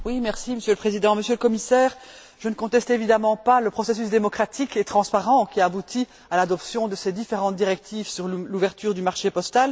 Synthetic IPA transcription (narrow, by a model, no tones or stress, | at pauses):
wimɛʁsiməsjøləpχezid̪ɑ̃məsjøləkɔmisɛːʁ | ʒənəkɔ̃t̪ɛst̪evid̪amɑ̃paləpχɔses̬ysd̪emɔkχat̪iket̪χɑ̃spaʁɑ̃kʲiaːbut̪ʰi | alad̪ɔpsjɔ̃d̪əsed̪ifeʁɑ̃t̪̚d̪iʁɛk̚t̪ʰivsyʁlluvɛʁt̪yːʁd̪ymaʁʃepɔst̪al